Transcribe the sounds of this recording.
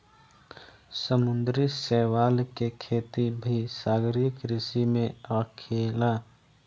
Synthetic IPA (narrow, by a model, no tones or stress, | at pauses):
səmʊnd̪ɾisɛːʋaːlkekʰeːt̪ibʱisaːɡɾijəkɾɪsimẽəkʰeːla